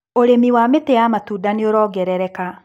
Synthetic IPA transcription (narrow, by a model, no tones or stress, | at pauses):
oɾemiwametejamatuːdaneoɾɔːɡɛɾɛɾɛka